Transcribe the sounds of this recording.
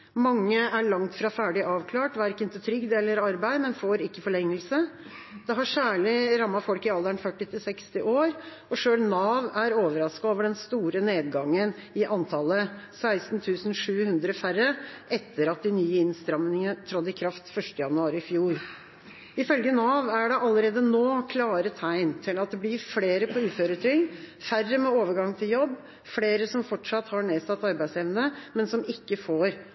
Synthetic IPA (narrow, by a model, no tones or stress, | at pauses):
mɑŋːəæɭɑŋt̪fɾɑːfæːɖɪʔɑːʋkʰlɑːʈʋæːɾkːəɪnt̪ɪt̪ʰɾʏɡd̪eːlːəɾɑɾbæɪmɛnfoːɾɪkːəfɔɭɛŋːəlsə | d̪̥ɛɦɑʂæːɭɪɾɑmːɑfɔlkɪɑld̪əɳfœʈːɪt̪ʰɪlsɛkst̪ɪʔoːɾ | ɔʂøːlnɑːʋæɾoːʋəɾɑskɑoːʋəɖɛnst̪uːɾəneːd̪ɡɑŋːənɪʔɑnt̪ʰɑləsæɪst̪n̩t̪ʰʉːsn̩ʂʉːhʉnd̪ɾəfærəʔɛt̪ʰːəɾɑt̪̚d̪ɪnyːəɪnst̪ɾɑmnɪŋəət̪ʰɾɔd̪ɪkʰɾɑft̪fœʂʈəjɑnʉɑːɾɪɪfjuːɾ | ɪfœlɡənɑʋæɖɛʔɑlːəɾeːd̪ənoːkʰlɑːɾət̪ʰæɪnt̪ʰɪlɑt̪̚d̪ɛblɪɾfleːɾəpʰɔʉːføːɾət̪ʰɾʏŋ | færəmɛoːʋəɾɡɑŋt̪ʰɪljɔbː | fleːɾəsɔmfɔʈʂɑt̪hɑɳeːsɑt̪ːɑɾbæɪsɛʋnəmɛnsɔmɪkːəfoːɾ